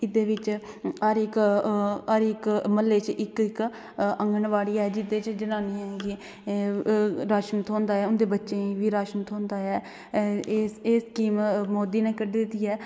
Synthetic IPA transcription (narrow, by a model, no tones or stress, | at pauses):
ɪd̪eːʋɪt͡ʃəɾɪk | əɾɪkməlːeːt͡ʃʔɪkɪk | əŋɡəɳʋaːɽiːɛːd͡ʒɪd̪eːt͡ʃd͡ʒənaːniːɦɛ̃ːŋɡiː | ɾaːʃmut̪ɦõːnd̪aːɛːʊnd̪eːbətːʃẽːiːʋiːɾaːʃmut̪õːnd̪aːɛː | seːskiːmmoːd̪iːneːkəɖeːd̪ɪt̪ːiːɛː